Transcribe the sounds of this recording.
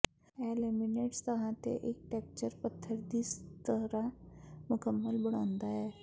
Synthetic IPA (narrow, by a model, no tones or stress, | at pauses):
eːlemɪneːʈst̪ɐɦãt̪ḛʔeːk̚ʈɛːk̚t͡ʃəɾpət̪ʰːəɾd̪iːst̪əɾãmʊkəmːəlbɐɽ̤̃ãːnd̪aɦɛː